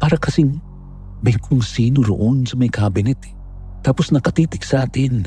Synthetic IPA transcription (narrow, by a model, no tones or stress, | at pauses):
paːɾɐkɐsɪŋ | bɐjkʰoŋsiːnoɾo̰ʔonsɐmɐjkaːbɪnɛt̪ | t̪ːaːposnɐkɐt̪iːt̪ɪksɐʔaːt̪ɪn